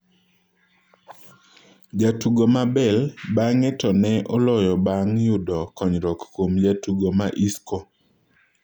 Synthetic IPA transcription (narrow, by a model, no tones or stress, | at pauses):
d͡ʒatuɡomabɛlbaŋɛtɔnɛʔɔlɔjɔbaŋjʊdɔkɔɲɾɔkːomd͡ʒatuɡomaʔiskɔ